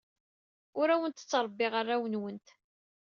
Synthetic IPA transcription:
ʊɾæwənt̪ə̥t͡sːɾˤəbːɪʁarːawənwənt̪

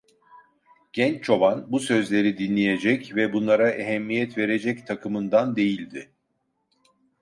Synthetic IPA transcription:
ɟ̥ɛnt͡ʃt͡ʃʰo̞banbusø̞zlʲe̞ɾid̪inlʲeje̞d͡ʒɛcvɛbunlˠaɾaʔeɦɛmːijɛt̪ve̞ɾe̞d͡ʒɛct̪ʰakʰɯmɯnd̪and̪e̞jilʲd̪ɪ

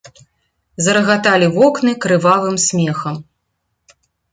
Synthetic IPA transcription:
zɐɾɐɣat̪alʲivɔknɨkɾɨvalɨmsʲmʲɛxɐm

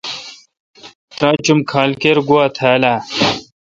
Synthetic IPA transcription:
t̪ɾãːt͡ɕumkʰaːlkeɾɡuwaːt̪ʰaːlaː

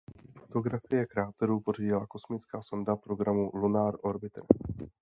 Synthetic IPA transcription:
fo̥t̪o̞ɡɾafɪjɛkɾaːt̪ɛɾuːpo̞riɟɪlako̞smɪt͡skaːso̞ndapɾo̞ɡɾamulunaɾo̞ɾbɪt̪ɾ

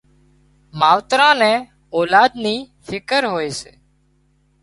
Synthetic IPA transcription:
maːʋt̪ɾãːnɛ̃ː | oːlaːd̪niː | fʰɪkəɾɦoːeːseː

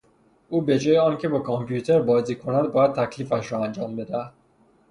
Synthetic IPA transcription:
uːbe̞d͡ʒɒːjeɒːncʰe̞bɒːkʰompʰjuːt̪ʰeɾbɒːziːkʰonæd̪̚bɒːjæd̪̚t̪ʰækʰliːfæʃɾɒːænd͡ʒɒːmbe̞d̪ææd̪̥

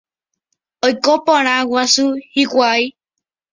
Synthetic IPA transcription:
ojkopõɾ̃ãwasuhikʷaj

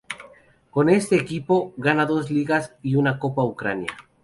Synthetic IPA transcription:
ko̞ne̞st̪e̞ːkipo̞ɣanaðo̞sliɣasiunako̞paukɾanja̰

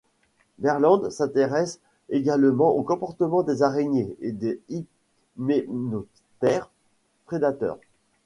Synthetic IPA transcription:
bɛʁlɑ̃d̪sɛ̃t̪eʁɛs | eɡalmɑ̃ʔokɔ̃pɔʁt̪əmɑ̃d̪ezaʁeɲeed̪ei | meno | t̪ɛʁ | pχed̪at̪œ̰ːʁ

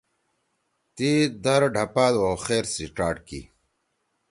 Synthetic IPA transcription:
t̪id̪ɐɾɖʱɐpaːloxeːɾsiʈaːɖkḭ

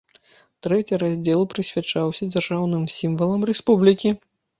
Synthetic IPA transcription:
t̪ɾɛt͡sʲiɾazʲd͡zʲɛlˠpɾɨsʲvʲat͡ʂawsʲɐd͡zʲarʐawnɨmsʲimvɐlˠɐmrɛspublʲikʲi

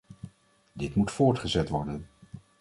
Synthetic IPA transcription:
dɪtmutfʊːɹtχəzɛtʋɔɹdən

